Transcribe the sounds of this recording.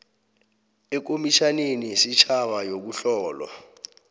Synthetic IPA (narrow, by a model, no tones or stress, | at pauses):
ɛk̬omiʃanenisit͡ʃʰaɓajok̬uɬɔːlwa̰